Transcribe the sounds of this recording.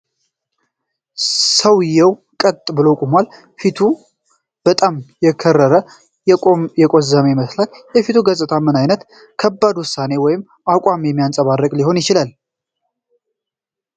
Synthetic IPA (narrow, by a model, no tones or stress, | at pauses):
səwjɛw | kʼət̪ʼbɨləwkʼumʷal | fit̪ʰu | b̥ət̪ʼamjɛkʰərːəɾə | jɛkʼozamjɪməslaljɛfit̪ʰuɡəsʼɨt̪ʰamɨnajnət̪ | kʰəbːad̪wʊsːane̞wɔjɪm | akʼamjɛmːijansʼəβarːəkʼliho̞njɪt͡ʃɪlal